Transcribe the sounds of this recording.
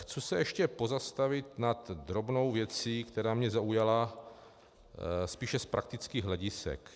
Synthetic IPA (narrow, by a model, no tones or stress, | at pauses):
xt͡susɛjɛʃcɛpozast̪avɪt̪̚nat̪d̪ɾobno̞wvjɛt͡siːkt̪ɛɾaːmɲɛzaujala | spiːʃɛspɾak̚t̪ɪt͡skiːɣɦlɛɟɪsɛ̰k